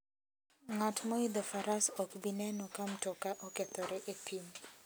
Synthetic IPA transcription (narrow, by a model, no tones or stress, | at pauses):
ŋatmɔid̪ɔfaɾasɔkbinɛnɔkamtɔkaʔɔkɛt̪ɔɾɛʔepʰiɲ